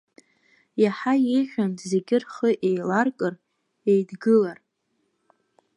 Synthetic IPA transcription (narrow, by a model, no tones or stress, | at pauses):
jaħajeʒʲʷᶣantʰʼze̞ɡʲɪrχəʔejlarkʼɨr | ejdɡɨlar